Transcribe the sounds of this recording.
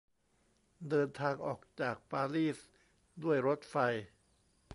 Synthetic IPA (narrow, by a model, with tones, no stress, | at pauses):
dɤː˧nt̪ʰaː˧ŋʔɔː˨˩k̚t͡ɕaː˨˩k̚paː˧liː˥˩s | du˥˩əjɾo˦˥t̪̚fa˧j